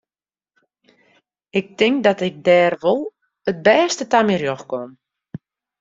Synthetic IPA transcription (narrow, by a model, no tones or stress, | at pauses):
ɪk̚tɪŋk̚dɔtɪk̚dɛːrʋolˠ | ət̚bɛːstətamirjoxkom